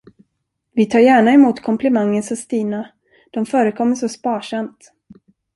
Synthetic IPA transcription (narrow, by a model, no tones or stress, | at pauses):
vɪt̪ʰɑːɾjæːɳaɛmuːt̪kʰɔmplɛmaŋːənsɔst̪iːna | d̪̥ɔmfœːɾəkʰɔmːəʂɔspɑːʂamt̪